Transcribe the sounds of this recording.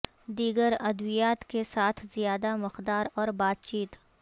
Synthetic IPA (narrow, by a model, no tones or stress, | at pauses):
d̪iːɡəɾɐd̪wijaːt̪kesaːt̪ʰzijaːd̪amɪqd̪aːɾɔːɾbaːt̪̚t͡ʃiːt̪